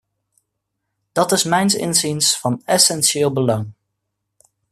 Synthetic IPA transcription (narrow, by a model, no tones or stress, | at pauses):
d̥ɑtɪsmɛjnsɪ̰nzinsfɑnɛsɛnʃɪːlˠbəloŋ